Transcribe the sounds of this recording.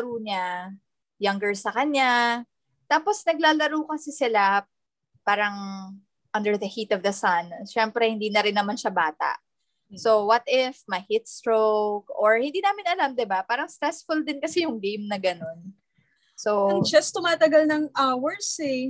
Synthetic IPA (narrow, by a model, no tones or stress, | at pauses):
ɐɾuːɲa | jɐŋɡɛɹsɐkɐnja | t̪aːposnɐɡ̚laːlɐɾuːkɐsɪsɪla | paːɾɐŋ | ʔɐnd̪ɛɹðɐhiːt̪ɔvðɐsɐnʃɛmpɾɛhɪnd̪iːnɐɾɪnːɐmanʃabaːt̪a̰ʔ | so̞wɐt̪ɪfmɐhɪt̪̚st̪ɹowk̚ʔoɹhɪnd̪iːnaːmɪnɐlamd̪ɪbapaːɾɐŋst̪ɾɛsfʊld̪ɪnkɐsɛjʊŋɡejmnɐɡɐno̞n | sod͡ʒɐst̪ʊmaːt̪ɐɡalnɐŋʔawɛɹsɛ